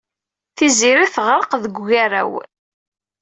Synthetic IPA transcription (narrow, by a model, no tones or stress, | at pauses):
θiziɾiθəʁɾˤəqðəɡʷʝaɾæ̰w